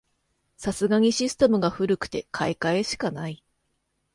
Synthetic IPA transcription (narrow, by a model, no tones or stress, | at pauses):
sasɨɡaɲ̟iɕisɨ̥t̪e̞mɯ̟ɡaɸɯ̟ɾɯ̟kɯ̟̥t̪e̞kʰaikae̞ɕi̥kanai